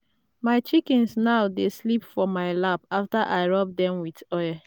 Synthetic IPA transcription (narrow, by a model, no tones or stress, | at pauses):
maɪt͡ʃikɛ̃nsnaʊdeslipfɔmaɪlapaftaʔaɪɹɔb̚dɛ̃mwidɔja